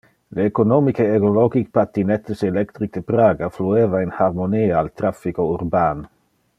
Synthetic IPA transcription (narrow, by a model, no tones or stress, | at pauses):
leːkonɔmikeeɡolɔɡik̚pat̪ːinɛt̪ːeselɛkt̪ɾik̚d̪epɾaːɡaflueːvainharmoniːaːlt̪ɾafːikouɾbaːn